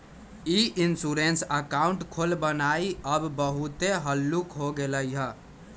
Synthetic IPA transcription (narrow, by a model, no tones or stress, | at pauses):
iʔinsuɾensəkaʊɳʈkʰolbənaiəbbəɦut̪eɦəlːukɦoɡeləjɦə